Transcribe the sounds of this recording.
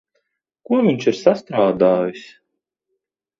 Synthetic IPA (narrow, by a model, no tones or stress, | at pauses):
kuɔvʲiɲʲʃiɾsast̪ɾaːd̪aːjisʲ